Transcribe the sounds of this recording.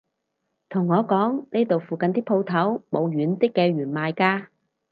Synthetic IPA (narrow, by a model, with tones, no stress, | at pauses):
t̪ʰʊ˨˩ŋːɔː˨˧kɔː˨˥ŋneː˥t̪o˨wfuː˨˩kɐ˨nt̪iː˥pʰo˧wt̪ʰɐ˨˥wmo˨˧wɥyː˨˥ntɪ˥kːɛː˧ɥyː˨˩nmaː˨jkaː˧